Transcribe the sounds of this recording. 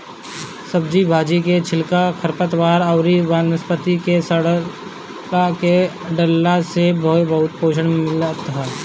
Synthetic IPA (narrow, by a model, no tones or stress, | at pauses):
səb̚d͡ʒibʱaːd͡ʒiket͡ʃʰɪlkakʰəɾpət̪ʋaːɾəʊɾiʋaːnəspət̪ikesəɽ | ake | ɖəlːasebəɦʊbɐɦʊt̪poːʃ̬əɽmɪlt̪ɦaː